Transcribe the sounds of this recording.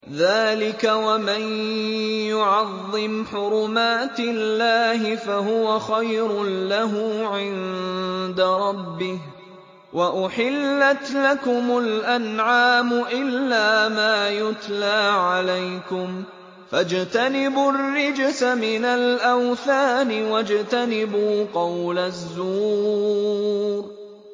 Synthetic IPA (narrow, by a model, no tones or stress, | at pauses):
ðaːlɪkawamɪn | jʊʕɑðˤːɪmħʊɾʊmaːt̪ɪlːaːɦɪfaɦʊwaxajɾʊlaɦʊʕɪn | d̪aɾˤɑbːɪh | wʔaʔʊħɪlːat̪lakʊmʊlʔanʕaːmʊʔɪlːaːmaːjʊt̪laːʕalajkʊm | fad͡ʒt̪anɪbʊrːɪd͡ʒsamɪnalʔawθaːnɪwad͡ʒt̪anɪbuːqɑwlazːuː | ɾ